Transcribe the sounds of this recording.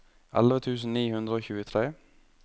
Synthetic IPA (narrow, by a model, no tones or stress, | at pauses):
ʔɛ̰lʋət̪ʰʉːsn̩niːhʉnd̪ɾəoːçʉːət̪ʰɾeː